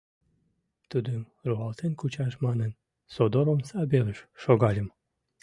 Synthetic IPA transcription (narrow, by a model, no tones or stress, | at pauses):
t̪ud̪əm | ruɑlt̪enkut͡ɕɑʃmɑnən | sod̪oɾonsɑbeləʃʃoɣɑlʲəm